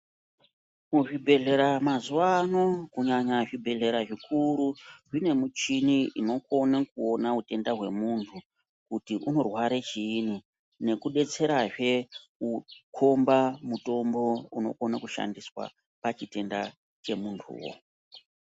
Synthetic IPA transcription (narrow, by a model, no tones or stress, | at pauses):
kuʐibʱe̞ɮe̞ɾamazuwano̞kuɲaɲaʐibʱe̞ɮe̞ɾaʐikʰuɾuʐine̞mut͡ʃiniino̞ko̞nakuo̞naute̞ndaɦwe̞̰muntʰu | kutiʔuno̞rwaɾet͡ʃiːni | ne̞kuɗe̞t͡se̞ɾaʐe̞ukʰombamuto̞mbo̞uno̞̰ko̞nakuʃa̰ndiswa̰ | pat͡ʃite̞nda | t͡ʃe̞muntʰṵːwo̰